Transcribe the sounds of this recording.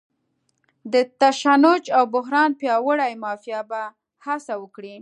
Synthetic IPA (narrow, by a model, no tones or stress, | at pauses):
d̪ət̪aʃanʊd͡ʒawbʊɦɾɑnpjɑwəɽajmɑfijaba | hasawəkɽi